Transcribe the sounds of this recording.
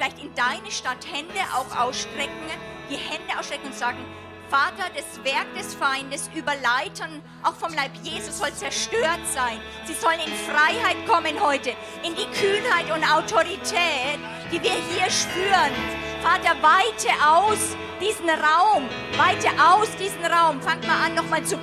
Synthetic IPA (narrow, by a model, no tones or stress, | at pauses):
ffɪlaɪçtɪndaɪnəʃtathɛndəʔa̰ʊxʔa̰ʊsʃtʁ̥ɛkŋ̩d̥iːhɛndəʔaʊsʃtʁ̥ɛkŋ̩ʊntz̥aːɡŋ̩ | faːtɐdɛsv̥ɛɐk̚d̥ɛsfaɪndəsʔyːbɐlaɪtʰɐn | ʔaʊxfɔmlaɪpjeːzuzɔlt͡sɛɐʃtøːɐtz̥aɪn | z̥iːzɔlənɪnfʁaɪhaɪtkʰɔmənhɔʏtə | ʔɪndiːkʰyːnhaɪtʊntʔaʊtʰoʁitʰɛːt | d̥iːviːɐɦiːɐʃpyːʁən | faːtɐvaɪtəʔaʊs | d̥iːzn̩ʁaʊm | vaɪtəʔaʊsd̥iːzn̩ʁaʊmfaŋəmaːlʔanːɔχmaːlt͡su